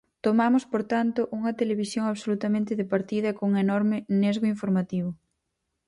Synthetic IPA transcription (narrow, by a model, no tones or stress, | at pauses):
t̪omamʊspoɾt̪ant̪ʊʔuŋɐt̪eleβ̞isjoŋaβsolut̪amẽnt̪ɪðɪpaɾt̪iðɐekoŋenɔɾmɪnezɣʊiɱfoɾmat̪iβ̞ʊ